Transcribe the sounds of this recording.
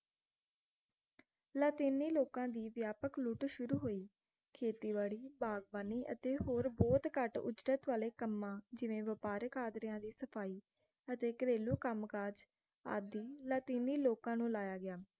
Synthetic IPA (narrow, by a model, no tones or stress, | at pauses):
laːt̪iːniːloːkãːd̪iːʋjaːpəkluːʈʃʊɾuːɦoːiː | kʰeːt̪iːʋaːɽiːbaːɡbaːniːʔə̰t̪eːɦoːɾbɔːt̪kəʈʊ̰d͡ʒɾət̪ʋaːleːkəmːãːd͡ʒɪʋẽːʋəpaːɾkaːd̪ɾɪjãːd̪iːsəpʰaːiː | ət̪eːkəɾeːluːkəmkaːd͡ʒ | a̰ːd̪iːlaːt̪iːniːloːkãːnũːlaːjaːɡɪaː